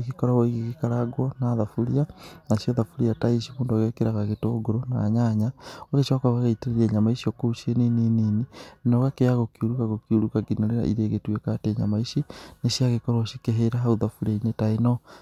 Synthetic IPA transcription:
ɣikɔɾawaiɣiɣikaɾaɡwɔnaðafuɾianaʃjoðafuɾiataiʃimuːndaɣekeɾaɣaɣetoɡoɾona̰ɲaɲaoɣet͡ʃakaɣaɣaiteɾeɾieɲamaisiokouʃienenenininɔɣakeaɣokiuɾukaɣokiuɾukaɡinoɾeɾa̰ʔḭɾeɣetwekateɲa̰maiʃineʃiaɣekɔɾaoʃikeɦeɾaɦauðafuɾiainetaenɔ

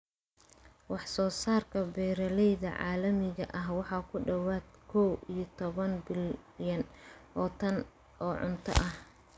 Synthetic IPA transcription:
wɑħsɔːsaːrkʰɐbɛːɾɐlɛjðɐʕɑ̰ːlɐmɪɣɐ̰ʔɐɦwɑħɑːkʰʊɖɐwaːd̪kʰɔwijɞt̪ʰɔβɐnbɪljɐnʔɔːt̪ʰɐn | ʔɔːʕʊ̰nt̪ʰɐ̰ʔɐh

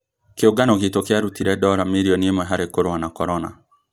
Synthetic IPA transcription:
keoɡanɔɣetokeaɾutiɾɛdɔɾamiɾiɔniemwɛɦaɾekoɾwanakɔɾɔna̰

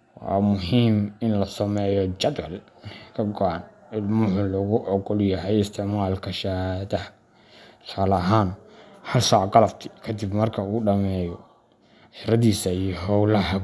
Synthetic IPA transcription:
wɑ̰ːmʊɦiːmɪnlɐsɐmɛːjɔt͡ʃɐd̪wɐl | kʰɐɡɔʔan | ɪlmʊħʊlɔɣʊʔɔqɔljɐɦɛjɪst̪ʰɪʕmaːlkʰɐʃɐhaðɐhɐ | saːlɐɦaːnhɐlʃaːʕɡɑlɐbt̪ʰɪ̥kʰɐd̪ɪbmɐrkʰɐuːɖɐmɛːjɔ | ħɪɾɐðiːsɐijɔɦɔwlɐhɐ

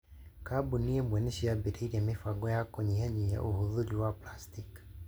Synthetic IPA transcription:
kabuniɛmwɛnɛʃijabiɾaiɾiamifaɡɔjakɔɲiaɲia̰ʔohuðuɾiwaplastik

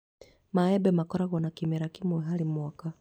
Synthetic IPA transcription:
maɛbɛmakɔɾaɣɔnakimɛɾakimuɛɦalimwaka

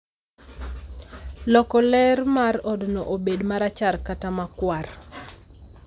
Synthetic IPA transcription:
lɔkɔlɛrmarɔdnɔʔobedmaɾat͡ʃarkatamakwar

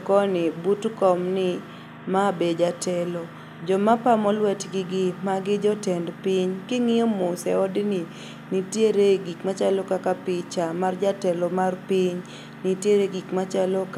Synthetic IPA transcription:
kɔnɪbutkɔmnɪ | mabed͡ʒatʰɛlɔ | d͡ʒɔmapamɔlwɛtɡɪɡɪmaɡɪd͡ʒɔtɛndpiɲkɪŋɪɔmʊsɛ̰ɔdnɪ | nitjeɾeɡikmat͡ʃalɔkakapɪt͡ʃamard͡ʒatɛlɔmarpiɲ | nitjeɾeɡikmat͡ʃalɔk

